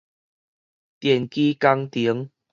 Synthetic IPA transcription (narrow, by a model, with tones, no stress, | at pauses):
t̪jɛ˨˩nki˦ka˦ŋt̪i˨˦ŋ